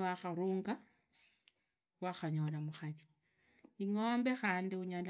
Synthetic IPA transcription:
waxaɾuːŋɡa | waxaɲolamuxati̥ | iŋombexaːndiuɲala

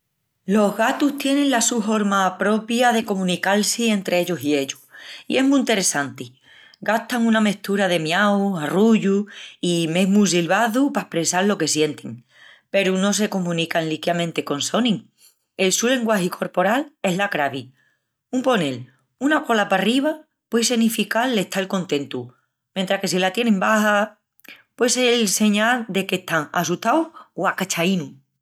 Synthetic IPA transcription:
lo̞ɦɣat̪uht̪je̞nẽ̞ŋlasufo̞ɾmapɾo̞pjaðe̞ko̞mũnikalsie̞nt̪ɾe̞eʎosie̞ʎuḭe̞ɦmũĩnt̪e̞ɾe̞sant̪i | ɡaht̪aŋuname̞ht̪uɾaðe̞mjawaruʝuime̞ɦmus̬ilβaðupaehpɾesallo̞kesje̞nt̪eŋ | pe̞ɾuno̞s̬e̞ko̞mũnikanlikjamẽ̞nt̪eko̞nso̞nĩŋ | e̞lsule̞ŋɡwahikʰo̞ɾpo̞ɾale̞ɦlakɾaβi | umpo̞ne̞l | unako̞lapariβ̞a | pwes̬e̞nifikalːe̞ht̪aelko̞nt̪ẽ̞nt̪u | mjent̪ɾake̞s̬ilat̪je̞nẽmbaha | pweselse̞ɲald̪e̞ke̞ht̪aŋa̰sut̪awoakat͡ʃainu

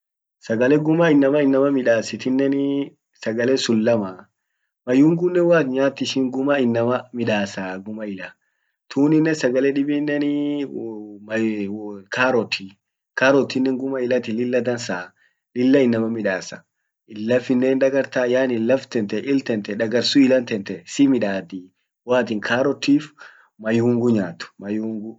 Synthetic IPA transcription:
sɐɡɐlɛɡʊmɐɪnːɐmɐɪnːɐmɐmɪᶑaːsɪt̪ɪnːɛn | sɐɡɐlɛsʊlːɐmɐ | mɐjʊŋɡʊnːɛwaːt̪ɲaːt̪ːɪʃɪŋɡʊmɐɪnːɐmɐmɪᶑaːsaɡʊmɐɪlɐ | t̪ʰuːnɪnːɛsɐɡɐlɛᶑɪbɪnːɛnɪ | mɐ | kʰaːɾɔt̪ʰi | kaːɾɔt̪ːɪnːɛŋɡʊmɐɪlɐt̪ɪlɪlːɐd̪ɐnsaː | lɪlːɐɪnːɐmɐmɪᶑaːsɐ | ɪlːɐfɪnːeːnᶑɐɡɐɾt̪aːjaːnɪlɐft̪ɛnt̪ɛʔɪlt̪ɛnt̪ɛᶑɐɡɐɾsʊɪlɐnt̪ɛnt̪ɛsɪmɪᶑaːt̪i | waːt̪ɪŋkʰaːɾɔt̪ːiːf | mɐjuːŋɡʊɲaːt̪ʊ̥mɐjuːŋɡʊ

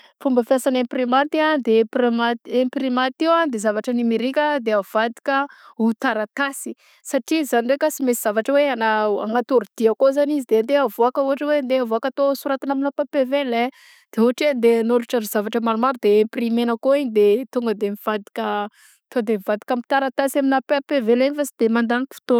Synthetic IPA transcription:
fumbəfjasaneprimant̪iad̪eprimat̪emprimat̪ewand̪ezavaʈ͡ʂənimiɾikʲəd̪eav̥ad̪i̥kʲəut̪aɾat̪asi̥ | saʈ͡ʂizanirekasimesiz̥avaʈ͡ʂəweanaaŋat̪uɾud̪̥iakozanizid̪end̪eavoakəuɦaʈ͡ʂəwend̪eavoakat̪osuɾat̪inaminapapevene | d̪̥euɦaʈ͡ʂind̪enoɾuʈ͡ʂanizavaʈ͡ʂəmalumaɾud̪eːmprimenəkoiɲid̪et̪uŋɡəd̪emiv̥ad̪i̥kʲə | t̪od̪emivad̪i̥kʲamit̪aɾat̪asaminapapeveleɲifasid̪̥emand̪aniki̥fi̥t̪o

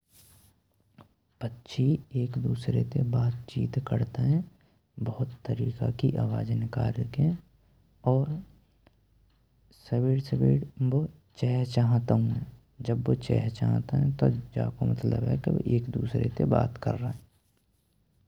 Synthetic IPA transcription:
pətːʃʰieːkd̪uːsɾḛt̪ebaːt̪t͡ʃiːt̪kəɾt̪eɦɛ̃ | bəɦʊt̪ːəɾiːka̰kiʔaːʋaːd͡ʒənka̰ːɾəkɛ̃ | ɔːɾ | səbeːɽsəbeːɽbo | t͡ʃɛːɦt͡ʃaːɦt̪aɦũɛ̃ | d͡ʒəbːot͡ʃɛ̰ːɦt͡ʃa̰ːɦt̪aɦɛ̃t̪od͡ʒa̰ːkomət̪lə̰bɦɛ̰keʋ̰ʔeːkd̪uːsɾḛt̪eba̰ːt̪kə̰ɾːaɛ

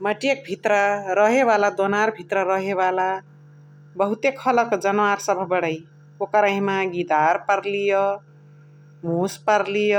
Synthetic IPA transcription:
mʌʈijek̚bʱit̪ɾʌɾʌɦeβalad̪onaɾbʱit̪ɾʌɾʌɦeβala | bʌɦut̪ekʰʌlʌkd͡zʌnwaɾsʌbʱʌbʌɽaj | okʌɾaɦĩmaɡid̪aɾpʌɾlijo | muspʌɾlijo

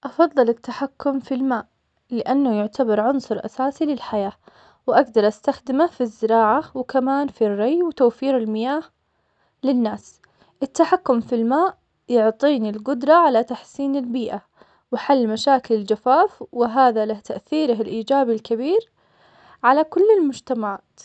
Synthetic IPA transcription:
ʔɑfɑðˤːɨlɪt̪ːaħakːʊmfilmaːʔ | lɪʔanːʊjʊʕt̪abɑɾˤʕʊnsˤʊɾˤʔa̰saːsilɪlħajaː | wʔaɡd̪ɑɾˤʔast̪axd̪ɪmafizːɪɾɑːʕawɪkamaːnfirˤːɑjwɪt̪awfiːɾɪlmɪjaːh | lɪnːaːs | ʔɪt̪ːaħakːʊmfilmaːʔ | jʊʕt̪ˤiːnilɡʊd̪ɾˤɑʕalat̪aħsiːnɪlbiːʔa | wɪħalːmaʃaːkɪlɪld͡ʒafaːfwɪɦaːðalaht̪aʔθiːɾaɦɪlʔiːd͡ʒaːbilkabiːɾ | ʕalakʊlːɪlmʊd͡ʒt̪amaʕaːt̪

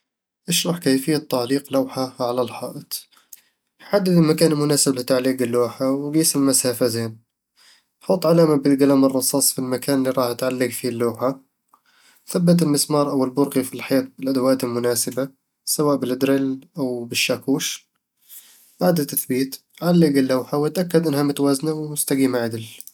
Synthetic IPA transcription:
ʔaʃɾˤɑħkejfɪjːat̪ːaʕliːqlawħaʕalalħɑːʔɪt̪ˤ | ħad̪ːad̪ɪlmakaːnɪlmʊnaːsɪblɪt̪ʕalːiːɡɪlːuːħawɡiːsɪlmashafazeːn | ħɑt̪ˤʕalaːmabɪt̪ɡalamɨrˤːɑsˤɑːsˤfilmakaːnɪlːiɾˤɑːħat̪ʕalːɪɡfilːuːħa | θabːat̪̬ɪlmɪsmɑːɾˤʔawɪlbʊɾqifilħajaːt̪̚bɪlʔad̪awaːt̪ɪlmʊnaːsɪba | sawaːʔbɪlʔɪd̪ɾɪlʔawbɪʃːaːkuːʃ | baːd̪at̪ːaθbiːt̪ | ʕalːɪɡɪlːawħawt̪ʔakːad̪ʔɪnhamʊt̪awaːznawmʊst̪aɡiːmaʕad̪ɪl

